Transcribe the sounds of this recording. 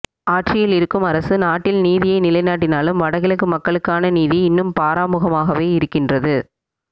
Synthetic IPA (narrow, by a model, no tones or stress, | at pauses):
aːʈrɪjɪlɪɾɯkːɯmɐɾɐsɯnaːʈːɪlniːðɪjɐɪnɪlɐɪnaːʈ̬ːɪnaːlɯmʋɐɽɐɣɪlɯkːɯmɐkːɐɭɯkːaːnɐniːðiɪnːɯmpaːɾaːmɯɣɐmaːɣɐʋeːɪɾɯkːɪndrɐðɯ